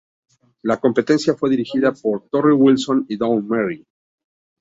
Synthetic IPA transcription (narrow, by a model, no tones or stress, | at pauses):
lako̞mpe̞t̪e̞nsjafwe̞ðiɾixiðapo̞ɾt̪o̞riwilso̞niðownmeɾi